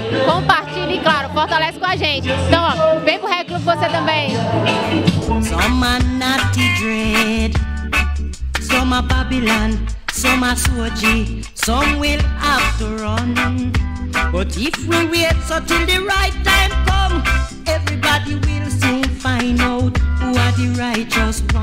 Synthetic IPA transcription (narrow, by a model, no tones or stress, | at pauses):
kõpaɾt͡ʃiliklaɾʊfɔht̪alɛsɪ̥kõaʒẽt͡ʃɪ̃t̪ɐ̃w̃ɔvẽj̃pʊhɛklubvoset̪ɐ̃bẽj̃ | sɔ̃manatidɹɛd | sɔmababilãn | sɔ̃masuɔd͡ʒi | sɔ̃mwilaftəɹɔn | b̥ɔtifwiɹiɛtsotɪlˠd̪ɨɹaɪtːãɪ̃mkɔ̃m | ɛvɹibadiwilˠsũnfãɪ̃ndoʊthuadɨɹaɪt͡ʃɔsb